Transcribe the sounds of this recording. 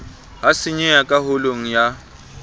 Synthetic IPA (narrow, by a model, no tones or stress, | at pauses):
ɦasɪɲɛakʼaɦʊloŋ̩ja